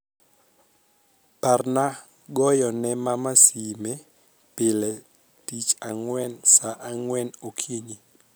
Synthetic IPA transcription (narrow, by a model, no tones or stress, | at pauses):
parna | ɡɔjɔnɛmamasimɛ | pɪlɛ | tit͡ʃaŋwɛnsaʔaŋwɛnokʰiɲi